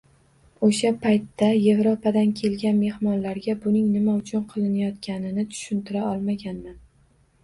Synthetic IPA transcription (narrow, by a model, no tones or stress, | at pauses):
oʃapʰajt̪ːaje̞vɾopʰad̪ankʲʰe̞lɡʲanme̞hmɒnlaɾɡʲabʊnɪŋnɪmaʊt͡ʃʰʊnqʰɨlˠɪnajɒt̪kʲanɪnɪt̪ʰʊ̥ʃʊnt̪ɪɾaɒlˠmaɡʲanman